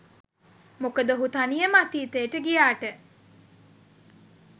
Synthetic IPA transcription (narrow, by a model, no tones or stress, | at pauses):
mokəd̪əɦut̪anijemat̪iːt̪eːʈəɡijaːʈə